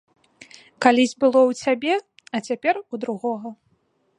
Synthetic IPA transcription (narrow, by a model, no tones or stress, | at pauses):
kalʲizʲbɨlˠɔwt͡sʲabʲɛ | ɐt͡sʲapʲɛrud̪ɾuɣɔɣɐ